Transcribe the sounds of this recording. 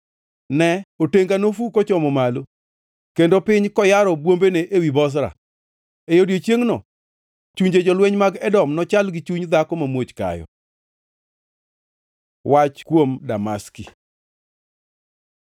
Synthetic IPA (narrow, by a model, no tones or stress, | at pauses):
nɛoteŋɡanofukot͡ʃɔmɔmalo | kendopɪɲkɔjaɾɔbwombeneʔewibɔs̬ɾa̰ | ejodjet͡ʃjeŋnɔ | t͡ʃuɲd͡ʒed͡ʒɔlwɛɲmaɡɛdɔmnɔt͡ʃalɡɪt͡ʃuɲd̪akɔmamwot͡ʃka̰jɔ̰ | wat͡ʃkwomdamaski